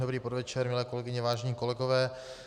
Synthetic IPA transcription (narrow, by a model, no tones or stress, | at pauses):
obɾiːpodvɛt͡ʃɛɾmɪlɛːkolɛɡɪɲɛvaːʒɛɲiːko̞lɛɡovɛː